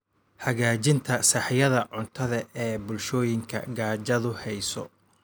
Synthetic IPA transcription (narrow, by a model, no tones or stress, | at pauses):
hɐɣaːt͡ʃɪnt̪ʰɐsɑħjɐðɐʕʊnt̪ʰɐðɐɛːbʊlʃɔːjɪŋkʰɐ̰ɡaːt͡ʃɐðʊhɛjsɔ̰